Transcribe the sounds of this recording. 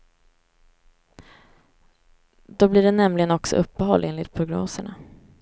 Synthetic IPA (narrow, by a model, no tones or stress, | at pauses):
d̪̥ɔbliːɖɛnɛmlɪɡənɔksɔ̰ʔɵpːəɦɔlːʔeːnlɪt̪̚pʰɾʊɡno̰ːsəɳa